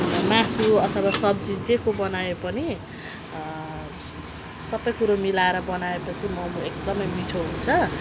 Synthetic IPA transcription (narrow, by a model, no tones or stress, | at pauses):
mãsuʌt̪ʰʌwasʌb̚d͡zid͡zekobʌnajepʌni | sʌbʌjkuɾomilaeɾʌbʌnaepʌt͡sʰimʌmuek̚d̪ʌmʌjmiʈʰoɦunt͡sʰʌ